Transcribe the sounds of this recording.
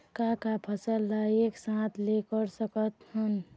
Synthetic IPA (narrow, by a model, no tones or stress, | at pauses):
kakapʰəsəlːaeːksãt̪ʰlekəɾsəkət̪hən